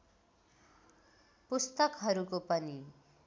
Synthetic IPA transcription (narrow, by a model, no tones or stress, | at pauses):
pust̪ʌkɦʌɾukopʌni